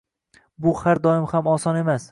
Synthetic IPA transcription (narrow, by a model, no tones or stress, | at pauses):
bʊhaɾd̪ɒɪmhamɒsɒne̞mas